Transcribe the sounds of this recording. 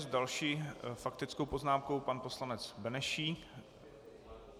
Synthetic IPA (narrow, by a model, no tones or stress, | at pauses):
zdalʃiːfak̚t̪ɪt͡skowpo̞znaːmkowpanpo̞slanɛt͡sbɛnɛʃiː